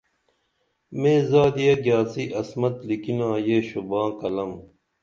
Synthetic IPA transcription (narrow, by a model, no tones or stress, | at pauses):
meːzaːd̪ijɐɡjaːsiʔɐsmɐt̪likinãːjeːɕubãːkɐlɐm